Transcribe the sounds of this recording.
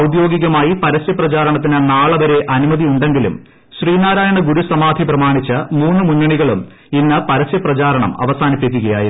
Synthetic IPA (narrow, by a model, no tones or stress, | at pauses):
ɐwd̪jo̞ːɡiɣɐmaːjipɐɾɐsjɐprɐt͡ɕaːɾɐɳɐt̪̬ːinɨnaːɭɐʋɐɾe̞ʔɐnumɐðiuɳɖe̞ŋɡilṵm | ɕriːnaːɾaːjɐɳɐɡuɾusɐmaːd̪ʱiprɐmaːɳit͡ɕːɐmuːnːɨmunːɐɳiɣɐɭum | inːɨpɐɾɐsjɐprɐt͡ɕaːɾɐɳɐ̰mɐ̰ʋɐsaːnipːek̬ʲːuɣɐja̰ːji